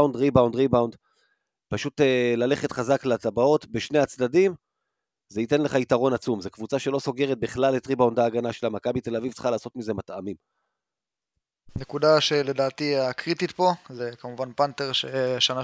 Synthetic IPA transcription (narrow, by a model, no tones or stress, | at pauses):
wndʁibawndʁibawnd | paʃutelale̞χe̞t̪χazaklat̪abao̞t̪beʃne̞jat͡sdadim | zeite̞nle̞χait̪aʁo̞nat͡sumzekvut͡saʃe̞lo̞so̞ɡeʁet̪̚biχlalːet̪ʁibaundaːɡanaʃelamakabit̪e̞lavivt͡sχalaːso̞t̪mize̞matamim | nekudaʃele̞daːt̪iakʁit̪it̪po̞zekamuvanpant̪eʁʃeʃana